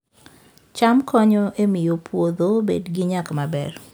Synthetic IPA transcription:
t͡ʃamkɔɲɔʔemɪjopwod̪obḛdɡɪɲakmabɛr

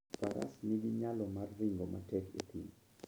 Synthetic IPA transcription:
paɾa̰sniɡiɲalɔmarːɪŋɡomʔa̰tɛkḛt̪ʰim

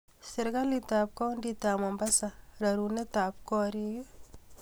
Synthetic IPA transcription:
sɪɾɡalitaːp̚kɔnditamɔmbasaɾaɾunetap̚kɔːɾiju

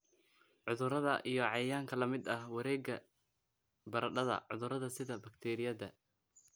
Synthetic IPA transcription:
ʕʊðʊɾɐðɐʔijɞʕɑjaːŋkʰɐlɐmɪd̪ɐhwɐɾɛːɡɐ | bɐɾɐɖɐðɐ̰ʕʊðʊɾɐðɐsɪðɐbɐkt̪ʰɛːɾɪjɐðɐ

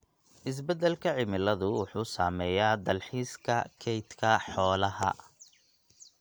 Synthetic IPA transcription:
ʔɪs̬bɛd̪ɛlkʰɐʕɪmɪlɐðʊwʊħuːsaːmɛːjaːd̪ɐlħiːskʰɐ̰kʰɛjt̪kʰɐħɔːlɐɦɐ̰

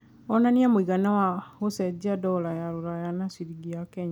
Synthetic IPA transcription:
ɔnaniamuiɡanawahosɛd͡ʒadɔlajaɾuɾajanasiɾiɡiakeɲa

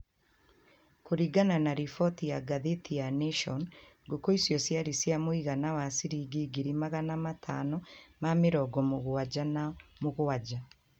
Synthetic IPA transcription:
koɾiɡananaɾifɔtijaɡaðetijaneʃɔn | ɡokoisjɔsjaɾisjamoiɣanawasiɾiːɡiɡiɾimaɣanamatʰanɔmameɾɔɡɔmoɣoad͡ʒanamoɣoad͡ʒa

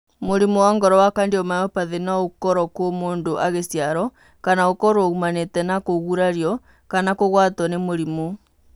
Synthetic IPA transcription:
moɾimowaŋɡɔɾɔwakandeɔmajɔpaðenaokɔɾɔkwomoːndoʔaɣesjaɾɔ | kanaokɔɾwoumanetɛnakoɣuɾaɾjɔ | kanakoɣwatɔnemoɾimo

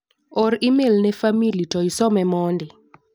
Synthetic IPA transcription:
ɔɾimelnɛfamilitɔisɔmɛmɔndɪ

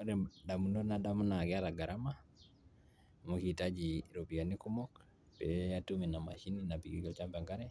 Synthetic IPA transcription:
ɾɛdamunonadamunaɡɛalaɡaɾama | mukitad͡ʒiɾopianikumɔk | bɛatuminama̰ʃininapiɡiɡɔt͡ʃambaŋɡaɾɛ

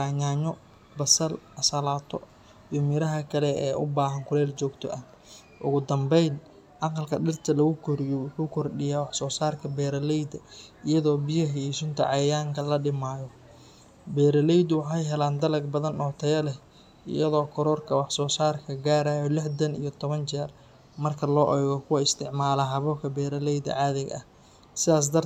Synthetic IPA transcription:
aːɲaːɲɔ | bɐsɐlɐsɐlaːt̪ʰɔ̰ | jʊmɪɾɐɦɐkʰɐlɛɛːʔʊbaːɦɐŋkʰʊlɛːlt͡ʃɔːɡt̪ʰɔ̰ʔɐ | ʔʊ̰ɣʊd̪ɐmbɛjn | ʔɑqɑlkʰɐɗɪrt̪ʰɐlɐɣʊkʰɔɾɪjɔwʊħuːkʰɔrɗɪjaːwɑħsɔːsaːrkʰɐbɛːɾɐlɛjd̪ɐɪjɐðɔːbɪjɐɦiiʃʊnt̪ʰɐ̰ʕɑjaːŋkʰɐlɐɗɪmaːjɔ | bɛːɾɐlɛjd̪ʊwɑħɑjɦɛlaːnd̪ɐlɐɡ̚bɐðɐnɔt̪ʰɛjɐlɛ | ʔɪ̰jɐðɔːkʰɔɾɔrkʰɐwɑħsɔːsaːrkʰɐɡaːɾaːjɔlɪħd̪ɐnḭjɔt̪ʰɔβɐnt͡ʃɛːr | mɐrkʰɐlɔːʔɛɣɔkʰʊwɐɪst̪ʰɪʕmaːlɐɦɐβɔːkʰɐbɛːɾɐlɛjd̪ɐ̰ʕɑːðɪɣɐ̰h | sɪaːs̬d̪ɐr

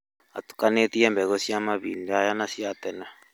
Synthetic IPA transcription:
a̰t̪u̥kanet̪iɛmbɛɣosiamaβḭndajanasiat̪ɛna

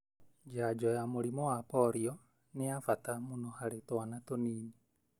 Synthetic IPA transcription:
d͡ʒad͡ʒɔjamoɾimɔwapɔɾiɔ | neafatamonɔhaɾetɔanatoniːni

